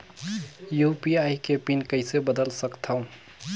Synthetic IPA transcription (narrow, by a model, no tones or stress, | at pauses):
jupiajkepinkəɪsebəd̪əlsəkt̪ʰəʊ̃